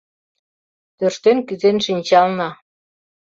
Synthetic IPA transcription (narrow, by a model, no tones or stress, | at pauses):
t̪ørʃt̪enkyzenʃinʲt͡ɕɑlnɑ